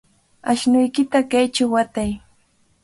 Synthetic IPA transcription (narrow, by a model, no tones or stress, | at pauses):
aʃnʊjkɪt̪akajt͡ʃawːat̪aj